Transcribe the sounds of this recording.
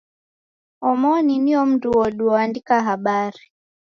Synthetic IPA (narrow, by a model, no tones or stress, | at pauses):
ɔmɔniniɔm̩duɔɗuɔandikaɦaɓaɾi